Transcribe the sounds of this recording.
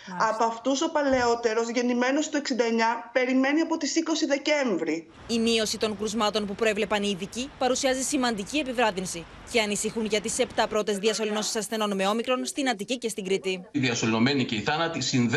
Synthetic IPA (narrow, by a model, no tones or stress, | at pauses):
ɐpɐft̪uso̞pɐle̞o̞t̪e̞ɾo̞zʝe̞nime̞no̞st̪ue̞ksind̪ɐeɲɐpe̞ɾime̞niɐpo̞t̪isiko̞siðe̞ce̞ɱvɾi | imio̞sit̪o̞ŋkɾuzmɐt̪o̞npupɾoevle̞pɐniːðicipɐɾusiɐzisimɐnd̪icie̞pivɾɐðinsi | ce̞ɐnisixunʝɐt̪ise̞pt̪ɐpɾo̞t̪e̞zðiɐso̞lino̞si̥sɐsθe̞no̞nme̞o̞mikɾo̞nst̪inɐt̪icice̞st̪iŋɡɾit̪iðiɐsolino̞me̞nice̞iθɐnɐt̪isinð